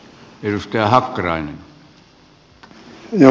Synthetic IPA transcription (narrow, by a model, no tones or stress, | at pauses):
erust̪ɑjɑhɑkːɑrɑinen | jɑ